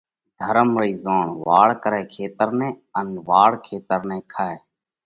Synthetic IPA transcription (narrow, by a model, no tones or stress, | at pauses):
d̪ʱəɾəmɾiːzaːɳʋaːɽkəɾɛːkʰeːt̪əɾnɛ̃ːənʋaːɽkʰeːt̪əɾnɛ̃ːkʰaːeː